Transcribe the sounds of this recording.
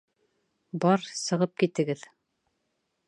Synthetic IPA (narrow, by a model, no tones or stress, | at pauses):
bɑɾsɤ̆ʁɤp̚kit̪ɘ̆ɡɘð